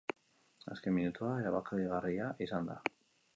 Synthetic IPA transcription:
a̰ske̞minut̪uaeɾaβakaβiɣariaʔisand̪a̰

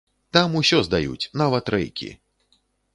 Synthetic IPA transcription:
t̪amusʲɔzd̪ajṵt͡sʲnavɐt̪ɾɛ̰jkʲḭ

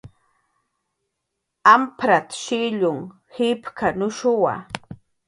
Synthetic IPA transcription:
ampɾat̪ḁʃɪʎʊŋhɪpkʰanʊʃʊwa̰

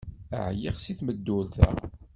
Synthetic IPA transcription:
ə̰ʕjiʁsiθməd̪ːʊlθæ̰

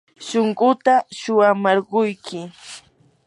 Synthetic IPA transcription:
ʃoɴɢʊt̪aʃʊwamaɾɢʊjkɪ

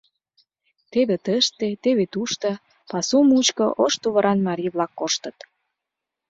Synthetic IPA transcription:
t̪eβet̪əʃt̪et̪eβet̪uʃt̪ə̆ | pɑsumut͡ɕkɤ̰ʔoʃt̪uβə̆ɾɑnmɑɾijβlɑkːoʃt̪ə̆t̪

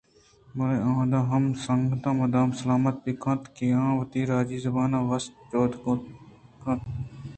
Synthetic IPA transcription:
mɐlẽːãːd̪aːɦɐmsəŋɡt̪ãːmɐd̪aːmsəlaːmət̪̚biːkʰɐ̃t̪keːãːʋət̪iːɾaːd͡ʒiːzəbaːnãːʋɐst̪t͡ʃoːd̪ | kʰɐ̃t̪ʰ

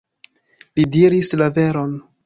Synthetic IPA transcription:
lidiɾislave̞ɾo̞n

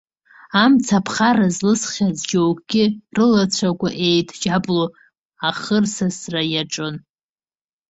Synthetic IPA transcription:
amt͡sʰapʰχarazlɨsχʲazd͡ʒowkʰʼɡ̥ʲɪrɨlat͡ɕʷʰakʷʼaʔe̞jtʼʰd͡ʒapʼlo | aχərsasrajaʈ͡ʂʼɨn

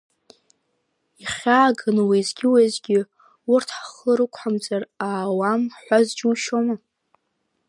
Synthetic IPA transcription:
iχʲaːɡɨnwizɡʲɪwazɡʲɪ | urtʰħaχəɾɨkʷʰħamd͡zaraːwamħʷazd͡ʒuʃoma

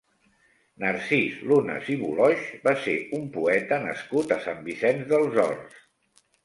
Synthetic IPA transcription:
nəɾsislunə̰ziβṵlɔʃbaseumpuɛt̪ənə̰skut̪əsambisɛnzðəlˠzɔ̰rs

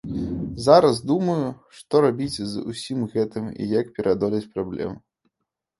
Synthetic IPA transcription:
zaɾɐzd̪umɐjuʂt̪ɔɾabʲit͡sʲzṵsʲimɣɛt̪ɨmḭjak̚pʲɛɾʔad̪ɔlʲɐt͡sʲpɾablʲɛ̰m

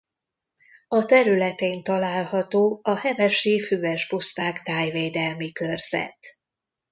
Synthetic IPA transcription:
ɒt̪ɛɾylɛt̪eːnt̪ɒlaːlhɒt̪oːɒhɛvɛʃifyːɛʒbustaːkt̪aːjveːd̪ɛlmikørz̥ɛ̰t̪

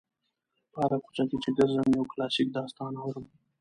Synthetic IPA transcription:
pɑɾakʊ̥t͡ʃakit͡ʃeɡəɾzamijawklɑsik̚d̪ɑst̪ɑnawɾəm

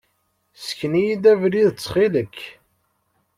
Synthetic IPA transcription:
sə̥çnijid̪ævɾiðt͡sːχiləkː

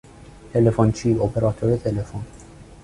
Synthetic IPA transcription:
t̪ɛlɛfɔnt͡ʃiːɔpɛɾat̪ʰɔɾit̪ʰɛlɛfɔn

